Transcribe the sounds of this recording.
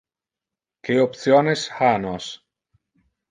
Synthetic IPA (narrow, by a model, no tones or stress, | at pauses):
keopθjonesxanoɐs